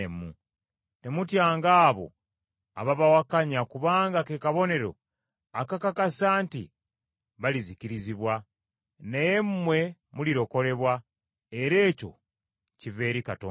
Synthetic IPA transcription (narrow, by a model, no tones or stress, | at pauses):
emṵ | te̞mutjaːŋɡaːβo̞̰ | a̰βaβawakaɲakuβaːŋɡakekaβo̞ne̞ɾo̞̰ | akakakasaːntḭ | βaliziciɾiziβwa | najemmwe̞muliɾo̞ko̞le̞βwa | e̞ɾe̞ːco̞̰ | cive̞ːɾikato